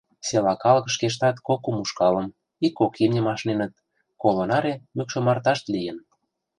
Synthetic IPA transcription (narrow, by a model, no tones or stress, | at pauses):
selɑkɑlɤ̆kʃkeʃ̬t̪ɑt̪kokumuʃkɑlə̆m | ikːokimnʲə̆mɑʃnenə̆t̪̚ | kolonɑɾemykʃə̆mɑrt̪ɑʃt̪lijə̆n